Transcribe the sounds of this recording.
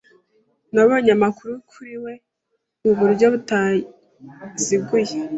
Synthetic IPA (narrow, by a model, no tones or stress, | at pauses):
naβoɲamakuɾukʰuɾiwe̞ | uβuɾɟo̞βuta | ziɡuje